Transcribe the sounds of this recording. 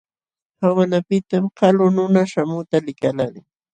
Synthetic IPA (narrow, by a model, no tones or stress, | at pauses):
hawanapɪt̪amkalʊnʊnaʃamʊt̪alɪkalalɪ